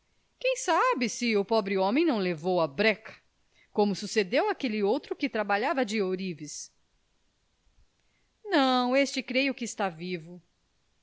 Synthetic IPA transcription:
kẽj̃sabɪsɪʊpɔbɾɪõmẽj̃nɐ̃w̃levowɐbɾɛkɐ̥ | kõmʊsused̪ewakelɪowt̪ɾʊkɪt̪ɾabaʎavɐd͡ʒɪoɾivɪs | nɐ̃w̃est͡ʃɪkɾejʊkɪːst̪avivʊ

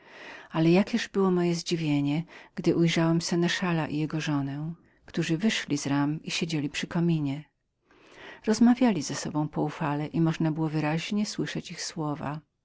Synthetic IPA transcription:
alɛjakʲɛʐbɘwɔmɔjɛzd͡ʑivʲjeɲɛɡ̥d̪ɘʔujʐawɛmsɛnɛʂalaʔijɛɡɔʐɔnɛ | kt̪uʐɘvɘʂlʲizɾamiɕed͡ʑelʲipʂɘkɔmʲiɲɛ | ɾɔzmavʲjalʲizɛsɔbɔ̃w̃pɔufalɛʔimɔʐnabɘwɔvɘɾaʑɲɛswɘʂɛt͡ɕixswɔva̰

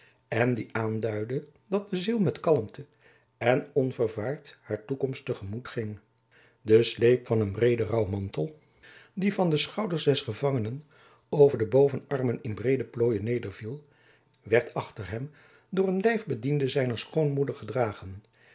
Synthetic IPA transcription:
ɛndiʔaːndœɥdədɑt̚dəzilˠmɛtkɑləmtə | ɛnɔnvəɹvaːɹthaːɹtukɔmstəχəmutχɪŋ | dəslejpfɑnənbrejdərɑwmɑntəlˠ | divɑndəsχɑwdəɹzdɛsχəvɑŋənən | owvəɹdəbowvənɑrmənɪnbrejdəploːjənejdəɹvilˠ | ʋɛɹtʰɑχtəɹɦɛm | dʊːɹənlɛjvbədindəzɛjnəɹsχownmudəɹχədraːχən

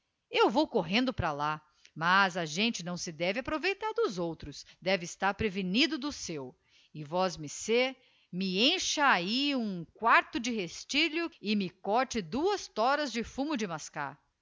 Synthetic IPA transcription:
ewvowkoɦẽnd̪ʊpɾala | mazɐʒẽnt͡ʃɪnɐ̃w̃sɪd̪ɛvɪapɾovejt̪aɾd̪ʊzowt̪ɾʊsd̪ɛvɪːst̪aɾpɾevinid̪ʊd̪ʊsew | ɪvɔzmɪse | mɪẽʃɐaiũkwaɾt̪ʊd͡ʒɪɦest͡ʃiʎʊɪmɪkɔɾt͡ʃɪd̪uɐst̪ɔɾɐzd͡ʒɪfũmʊd͡ʒɪmaska̰ɾ

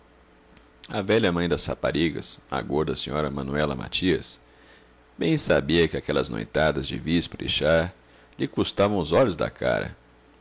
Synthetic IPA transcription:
ɐvɛʎɐmɐ̃j̃d̪ɐshapaɾiɡɐ̰sa̰ɡoɾd̪ɐsĩɲɔɾɐmɐ̃nuɛlɐ̰ma̰t͡ʃiɐs | bẽj̃sabiɐkɪakɛlɐzno̰jt̪ad̪ɐzd͡ʒɪ̰vispɾeʃaɾ | ʎɪkust̪avɐ̃w̃ʊzɔʎʊzd̪ɐ̰kʰa̰ɾɐ̰

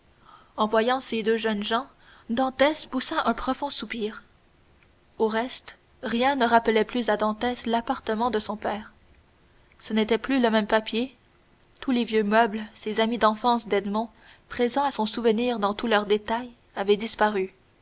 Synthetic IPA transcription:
ɑ̃vwajɑ̃sed̪øʒœnʒɑ̃ | d̪ɑ̃t̪ɛspusaʔɛ̃pχɔfɔ̃supiːʁ | oʁɛst̪ | ʁjɛ̃nəʁapəlɛplyzad̪ɑ̃t̪ɛslapaʁt̪əmɑ̃d̪əsɔ̃pɛːʁ | sənet̪ɛplyləmɛmpapje | t̪ulevjømœblsezamid̪ɑ̃fɑ̃sd̪ɛd̪mɔ̃ | pχezɑ̃asɔ̃suvəniːʁd̪ɑ̃t̪ulœʁd̪et̪aj | avɛd̪ispaʁy

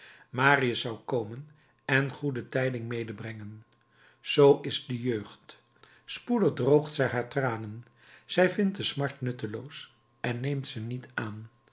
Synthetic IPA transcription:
maːriəsʌwkowmən | ɛnχudətɛjdɪŋmejdəbrɛŋən | z̥owʔɪzdəjøːχt | spudəχdrowχtsɛjɦaːɹtraːnən | z̥ɛjvɪnt̚dəsmɑɹtnɵtəlows | ʔɛnːejmtsənitaːn

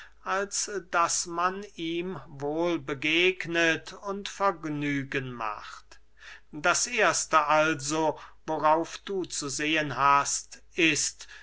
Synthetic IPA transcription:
ʔalsd̥asmaniːmvoːlbəɡeːɡnətʊntfɛɐɡnyːɡənma̰χt | d̥asʔeːɐstəʔalzovoʁaʊfd̥uːt͡suzeːənɦastʔɪst

